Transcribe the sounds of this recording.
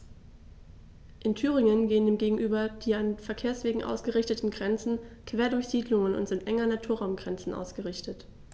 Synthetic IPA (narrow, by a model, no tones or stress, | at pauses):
ʔɪntʰyːʁ̞ɪŋənɡeːəndeːmɡeːɡŋ̩ʔyːbɐd̥iːanfɛɐkʰeːɐsv̥eːɡŋ̩ʔa̰ʊsɡ̥əʁɪçtətn̩ɡʁɛnt͡sn̩kv̥eːɐdʊɐçz̥iːdlʊŋənʊ̰ntz̥ɪntʔɛŋɐnatʰuːɐʁaʊmɡʁɛnt͡sn̩ʔa̰ʊsɡ̥əʁɪçtət